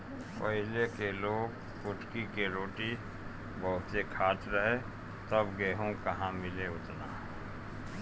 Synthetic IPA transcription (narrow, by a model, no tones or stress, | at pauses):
pəɦɪlekeloːɡ | kʊʈkikeɾoːʈi | bəɦʊt̪sekʰaːt̪ɾəɦe | t̪ɐbɡeːɦõkəɦãmɪleʊt̪naː